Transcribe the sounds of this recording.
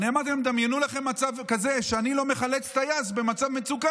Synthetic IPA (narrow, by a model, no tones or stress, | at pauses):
niamat̪emd̪amjenulaχe̞mːat͡savkazeʃeanilo̞meχalet͡st̪ajazbe̞mat͡savmet͡suka